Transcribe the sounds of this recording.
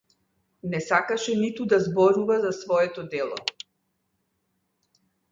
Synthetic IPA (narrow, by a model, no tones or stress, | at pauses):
nɛsakaʃɛnit̪ud̪azbɔɾuvazasvɔɛt̪ɔd̪ɛlˠɔ̰